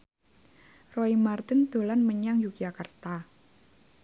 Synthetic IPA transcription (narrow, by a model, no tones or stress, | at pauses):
roimart̪ɪnd̪̥o̤lanməɲaŋjukiakərt̪a